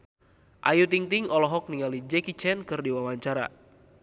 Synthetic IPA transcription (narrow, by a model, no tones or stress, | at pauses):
ʔajut̪iŋt̪iŋɔlɔɦɔk̚niŋalid͡ʒɛkit͡ʃɛnkɨrdiwawaɲt͡ʃaɾa̰